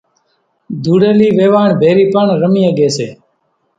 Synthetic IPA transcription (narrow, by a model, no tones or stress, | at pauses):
d̪ʱuːɽeːliːʋeːʋaːɳbʱeːɾiːpəɳɾəmĩːəɠeːsḛː